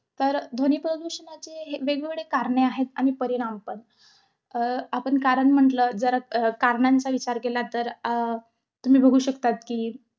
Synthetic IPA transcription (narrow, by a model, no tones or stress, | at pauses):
t̪əɾd̪ʱoniːpɾəd̪uɕənat͡seɦeʋeɡʋeɡɭekaɾɳeaɦet̪a̰mipəɾiɽampəɳ | apəɳkaɾəɳm̤əɳʈləːd͡zəɾakaɾɳant͡saʋit͡ɕaɾkelat̪əɾ | t̪um̤iːbʱəɡʱuːɕəkt̪at̪kiː